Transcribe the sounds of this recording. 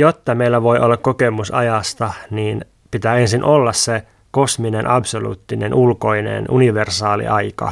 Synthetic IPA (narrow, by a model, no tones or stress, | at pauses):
jot̪ːɑmeilːæʋo̞jʔolːɑkkokemusɑ̰jɑst̪ɑniːn | pit̪æːensinʔolːɑsse | kosminenʔɑbsolṵːt̪ːinenʔulko̞inḛnʔuniʋersɑːlḭʔɑjkɑ̰